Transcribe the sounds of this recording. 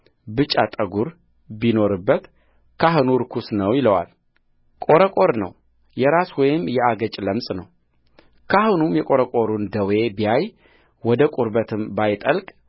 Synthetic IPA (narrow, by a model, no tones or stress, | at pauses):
bɨt͡ʃʼːat̪ʼəɡuɾ | bino̞ɾɨbːət̪ | kʰaɦɨnuɾkʰusnəwjɪləwa̰l | kʼo̞ɾəkʼo̞ɾnə̰w | jɛɾaswɔjɪmjɛaɡət͡ʃʼləmsʼnəw | kʰahɨnumjɛkʼo̞ɾəkʼo̞ɾund̪əwe̞bijaj | wɔd̪əkʼuɾbət̪ʰɨmbajt̪ʼəlkʼ